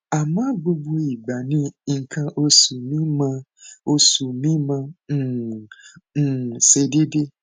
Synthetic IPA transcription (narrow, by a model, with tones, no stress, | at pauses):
a˨mã˦bu˦bu˦i˨ɡ͡ba˨nĩ˦ŋ̩˨kʰã˦ʔo˦su˨mĩ˦mã˦ | o˦su˨mĩ˦mã˦˨ | n̩˨se˨di˦dɪ˦